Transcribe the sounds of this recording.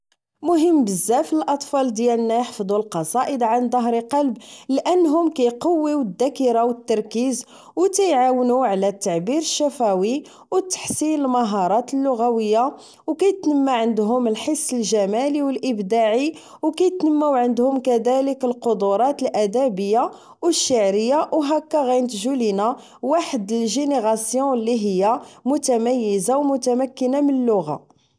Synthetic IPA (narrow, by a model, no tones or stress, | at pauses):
mʊɦəmːbəzːæfəlʔɑt̪ˤfɑld̪jælənːæjħfd̪ˤulqɑsˤɑʔəd̪ʕand̪ˤɑɦɾiqɑlblʔənːɦʊmkæjqɑwːiwəd̪ːækiɾawət̪ːɑɾˤkiz | wk̪æjʕawnuʕlæt̪ːaʕbiɾəʃːæfæwi | wət̪ːḁħsinəlmɑɦɑɾˤɑt̪əlːʊɣæwəjːa | wkæjt̪nəmːaʕənd̪ɦʊməlħəsˤːəlʒæmæliwəlʔəbd̪aʕi | wkæjət̪nəmːawʕənd̪hʊmkæd̪æləkəlqod̪uɾˤɑt̪əlʔæd̪æbəjːa | wəʃːaʕɾəjːaʔwɦækːæɣæjnt̪ʒulina | waħəd̪əlʒeneɣɑsjɔ̃lːiɦəjːamʊt̪æmæjːəzawmʊt̪æmækːənamənəlːʊɣa̰